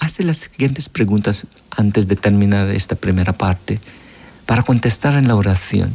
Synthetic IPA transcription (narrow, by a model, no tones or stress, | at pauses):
ast̪elasːiɣje̞nt̪espɾeɣunt̪asant̪ezd̪et̪eɾmĩnaɾḛst̪apɾime̞ɾapaɾt̪e | paɾako̞nt̪est̪aɾenlaoɾaθjo̰n